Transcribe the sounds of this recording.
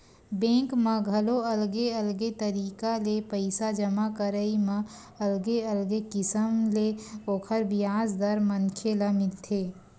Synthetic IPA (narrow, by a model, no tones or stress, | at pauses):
bẽːŋkməɡʱəloɐlɡeəlɡet̪əɾiːkalepəɪsad͡ʒəmakəɾəimã | ɐlɡeəlɡekɪsəmleoːkʰəɾbɪjaːzd̪əɾmənkʰeləmɪt̪ʰeː